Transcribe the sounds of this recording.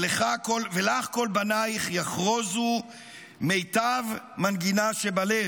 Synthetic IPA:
leχakolvelaχko̞lbanaiχjaχʁo̞zu | me̞jt̪av | manɡinaʃebale

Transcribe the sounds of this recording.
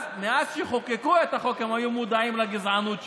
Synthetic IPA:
meazʃeχo̞kekuet̪aχo̞kemajumud̪aimlaɡizʕanut̪

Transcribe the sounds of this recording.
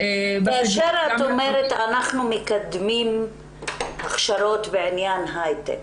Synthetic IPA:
kaaʃeɾat̪omeɾet̪anaχnumekad̪mim | aχʃaɾo̞t̪veʕinjanɦajt̪ḛk

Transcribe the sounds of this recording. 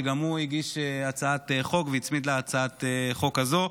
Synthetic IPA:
ɡamuiɡiʃeat͡saateχo̞kveit͡smid̪leat͡saat̪eχo̞kazo̞

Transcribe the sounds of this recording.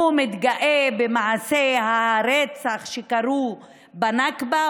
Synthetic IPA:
mit̪ɡaʔebemaʕaseɦaɾet͡saχʃekaɾu | banakba

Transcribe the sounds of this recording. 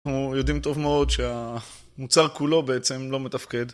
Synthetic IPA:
nujo̞dimt̪o̞vmeo̞dʃea | mut͡saʁkulo̞beet͡se̞mlo̞met̪afke̞d̪

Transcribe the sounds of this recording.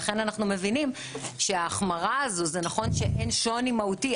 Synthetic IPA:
χe̞nanaχnume̞vinim | ʃeaːχmaʁaːzozenaχo̞nʃeʔenʃo̞nimauti

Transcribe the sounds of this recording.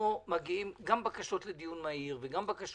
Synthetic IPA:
omaɡiimɡambakaʃotled̪ijunmaiʁveɡambakaʃ

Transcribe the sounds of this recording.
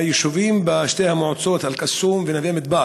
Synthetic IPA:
jeʃuvimbaʃtehamoʕot͡sot̪alkasumvenavemit̪̚ba

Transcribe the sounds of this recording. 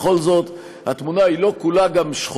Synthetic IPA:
χo̞lzo̞t̪ | hat̪munailo̞kulaɡamʃχ

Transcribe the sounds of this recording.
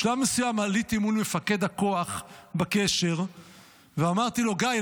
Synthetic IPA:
ʃlamːesujamalit̪imulme̞fake̞d̪ako̞aχbake̞ʃe̞ʁ | veamaʁt̪ilo̞ɡaj

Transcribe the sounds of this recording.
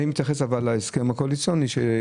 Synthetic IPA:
ijmit̪jaχesavalaeskemakoalit͡sjoniʃe

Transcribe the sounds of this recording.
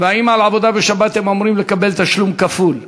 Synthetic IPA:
veaimalʕavo̞d̪abeʃabat̪hemomɾimle̞kabe̞lt̪aʃlumkaful

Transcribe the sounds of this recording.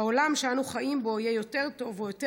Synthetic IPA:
aolamʃeanuχaʔimbo̞ijɛjo̞te̞ʁt̪o̞vojot̪

